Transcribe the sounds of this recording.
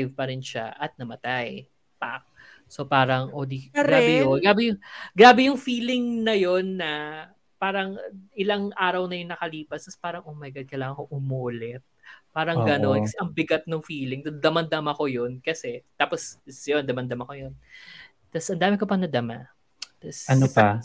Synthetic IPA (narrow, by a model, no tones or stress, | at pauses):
jvpɐɾɪnʃa̰ʔɐt̪̚nɐmɐt̪aj | pa̰k̚ | sopaːɾɐŋʔoːd̪iɐɡɾaːbɛoɡaːbɛjʊŋɡɾaːbɛjʊŋfiːlɪŋnɐjo̞nːɐ | paːɾɐŋʔɪlɐŋʔaːɾɐwnɐjʊŋnɐkɐliːpɐst̪ɐspaːɾɐŋʔomɐjɡɐd̪̚kɐjlaːŋɐŋkoʔʊmoːlɛt̪̚paːɾɐŋɡɐno̞nkɐsɛʔɐŋbɪɡɐt̪̚noŋfiːlɪŋt̪ɐd̪ɐmɐnd̪ɐmɐko̞jo̞nkɐsɛt̪aːpossjond̪ɐmɐnd̪ɐmɐko̞jo̞n | t̪ɐsʔɐnd̪aːmɪkopɐŋnɐd̪ɐma | t̪ɐsɐnopa